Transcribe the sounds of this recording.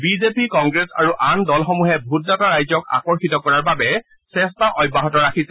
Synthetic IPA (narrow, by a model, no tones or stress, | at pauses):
bizepikɔŋɡɹesa̰ɹuʔandɔlxɔmuɦɛbʱutdataɹajzɔka̰kɔɹxitɔkɔɹaɹbabɛ | sɛstaʔɔjbːaɦɔtɔɹakʰisɛ